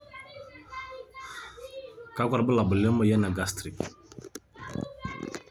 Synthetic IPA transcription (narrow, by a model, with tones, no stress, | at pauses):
ka˦kʷa˨ɾbə˦la˨bə˨lɛ˦mə˦˨jɛ˦na˨ɡa˦stɾi˨